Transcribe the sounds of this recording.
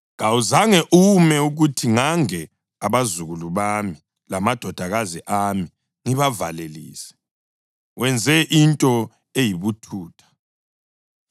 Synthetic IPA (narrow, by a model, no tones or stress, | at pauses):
ŋawuzaŋɛʔumɛuɣutʰiŋaŋɛ | aβazuɣuluβami | lamad̥ʱɔd̥ʱaɣaziʔaːmi | ŋiβava̰lelḭːsɛ̥ | wʔɛnd͡zʱɛʔintʼɔ | ejiβutʰuːtʰḁ